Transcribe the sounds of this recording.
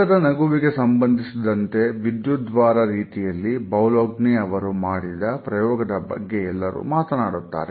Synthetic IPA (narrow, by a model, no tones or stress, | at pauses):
ɐd̪ɐnɐɡuʋiɡe̞sɐmbɐnd̪ʱisid̪ɐnt̪e̞ʋid̪jud̪ʋaːɾɐɾiːt̪ijɐlːibɐwloːɡniɐʋɐɾumaːɽid̪ɐpɾɐjɔːɡɐd̪ɐbɐ̰ɡːe̞ɛlːɐɾṵːmaːt̪ɐnaːɽut̪ːa̰ːɾe